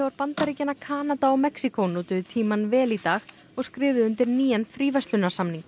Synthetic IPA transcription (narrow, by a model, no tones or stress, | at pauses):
ɛvaɾpant̪aɾicɪnːakʰaːnat̪aɔmɛksikʰownuːt̪ʏðt̪ʰiːmanvɛːlit̪aːx | ɔɣskɾɪːvɪðʏnt̪ɪɾniːjanfɾiːvast̪ʏnasamniŋk